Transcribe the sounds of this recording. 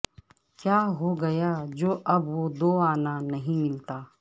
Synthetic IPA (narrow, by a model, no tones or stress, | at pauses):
kjaːɦoːɡɐjaːd͡ʒoːʔɐbʋod̪oːaːnanɐɦĩmɪlt̪aː